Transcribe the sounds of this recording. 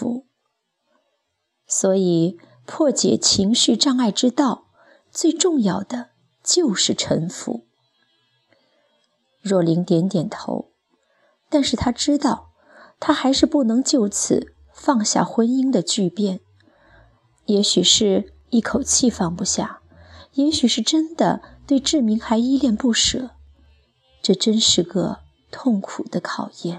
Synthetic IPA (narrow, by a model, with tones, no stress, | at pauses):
u˧˥ | swɔ˧˥i˨˩ | pʰwɔ˥˩t͡ɕjɛ̰˨˩t͡ɕʰi˧˥ŋɕy˥˧ʈ͡ʂɑ˥˧ŋa˥˩ɪʈ͡ʂɻ̩˥t̪ɑ˥˧ʊ | t͡swe˥˧ɪʈ͡ʂʊ˥˧ŋjɑ˥˩ʊd̪̥ə˩ | t͡ɕjo˥˧ʊʂɻ̩˥˩ʈ͡ʂʰə˧˥nfṵ˧˥ | ɻwɔ˥˩li˧˥ŋt̪jɛ˧˥nt̪jɛ˨˩nt̪ʰo̰˧˥ʊ | t̪a˥˧nʂɻ̩˥˩t̪ʰa˥ʈ͡ʂɻ̩˥t̪ɑ˥˩ʊ | t̪ʰa˥xa˧˥ɪʂɻ̩˥˧pu˥˩nɤ˧˥ŋt͡ɕjo˥˩ʊt͡sʰɹ̩˨˩ | fɑ˥˧ŋɕja̰˥˩xwə˥ni˥ŋd̪ə˨t͡ɕy˥˧pjɛ˥˩n | jɛ˧˥ɕy˨˩ʂɻ̩˥˧ | i˥˩kʰo˨˩ʊt͡ɕʰi˥˧fɑ˥˩ŋpu˧˥ɕja˥˩ | jɛ˧˥ɕy˨˩ʂɻ̩˥˩ʈ͡ʂə˥nd̪ə̰˨t̪we˥˧ɪʈ͡ʂɻ̩˥˩mi˧˥ŋxa˧˥ɪi˥ljɛ˥˧npu˥˩ʂɤ˨˩˦ | ʈ͡ʂɤ˥˩ʈ͡ʂə˥nʂɻ̩˥˩ɡə˧˩ | t̪ʰʊ˥˩ŋkʰu˨˩d̪ə˦kʰɑ˨˩ʊjɛ˥˩n